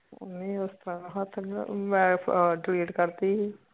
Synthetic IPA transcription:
nĩːʊst̪əɾãːnũːɦat̪ʰːmɛ̃ːɖliːʈkəɾt̪iː

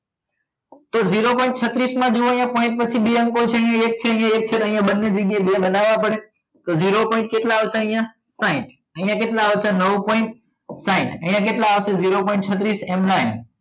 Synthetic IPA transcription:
t̪oziɾopɔɪ̃ɳʈ̚t͡ʃʰət̪ɾismãd͡ʒoojãpɔɪ̃ɳʈ̚pət͡ʃʰiɓeə̃ŋkot͡ʃʰeɦĩjãek̚t͡ʃʰeəɦĩjãek̚t͡ʃʰet̪əɦĩjãɓənːed͡ʒəɡjaɦebãɓənaʋãpəɽe | t̪oziɾopɔɪ̃ɳʈ̚keʈlaʋsãəɦĩjã | saɪ̃ʈ | ə̃ɦĩjãkeʈlaʋsʰanəʋpɔɪ̃ɳʈ | saɪ̃ʈəɦĩjãk̬eʈlaaʋseziɾopɔɪ̃ɳʈ̚t͡ʃʰət̪ɾiːsemlaɪn

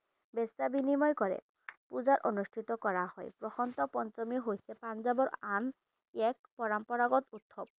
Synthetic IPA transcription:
bɛsabinimɔjkɔɹɛ̰ | puzaɹʔonustʰitɔkɔɹahɔ̰jpɹɔxɔnt̪ɔpɔnt͡ʃɔmiɦojsɛpanzabɔɹan | ɛk̚pɔɹampɔɹaɡɔtut̪ʰːɔp̚

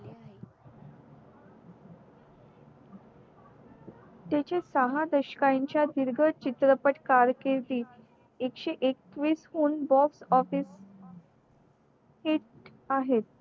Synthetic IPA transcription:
t̪jet͡ɕesəɦad̪əɕə̥kaɲt͡ɕjad̪iɾɡʱət͡ɕit̪ɾəpəʈkaɾkeɾt̪iː | ekɕeʔek̚t̪ʋiːshuːnbɔfsɔfis | hiʈ̚ | aɦet̪̚

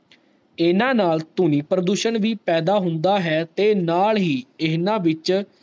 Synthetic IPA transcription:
ɪnãːnaːlt̪ʊniːpɾəd̪uːʃənʋiːpɛːd̪aːɦʊnd̪aːɦɛːt̪eːnaːlɦiːɪnãːʋɪt͡ʃ

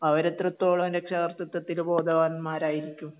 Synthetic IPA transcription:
ɐʋɐɾet̪ːrɐt̪ːo̞ːɭɐmɾekʂaɣɐrt̪ːɐt̪ːɐt̪ːilbo̞ːd̪ʱɐʋaːnɐmːaːɾaːjiɾikʲːum

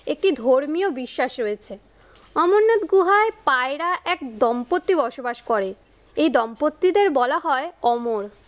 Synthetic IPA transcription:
ek̚ʈid̪ʱoɾmijobiʃːaʃɾojet͡ɕʰe | ɔmoɾnot̪ɡuɦaepaeɾaʔɛk̚d̪ɔmpot̪ːibɔʃobaʃkɔɾe | ejd̪ɔmpot̪ːid̪eɾbɔlaɦɔeɔmoɾ

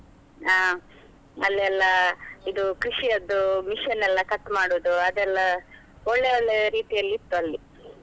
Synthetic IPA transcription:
aː | ɐlːiɛlːɐid̪ukɾiʂiɐd̪ːumiʃɐnːɛlːɐkɐt̪ːmaːɽuːd̪uɐd̪ɛlːɐ | ɔɭːeoɭːeɾiːt̪ijɐlːit̪ːuɐlːi

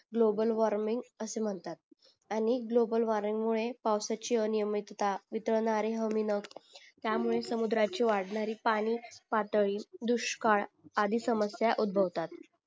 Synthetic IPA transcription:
ɡlobəlʋaɾmiŋɡəsem̤əɳt̪at̪̚ | añiɡlobəlʋaɾmiŋɡmuɭepawsat͡ɕiənijəmit̪t̪aʋit̪əɭɳaɾeɦəminəkt̪jamuɭesəmud̪ɾat͡ɕiʋaɽɳaɾiːpaɽ̃ipat̪ɭiːd̪uɕkaɭ | ad̪ʱisəməsjaʔud̪̚bʱəʋt̪at̪

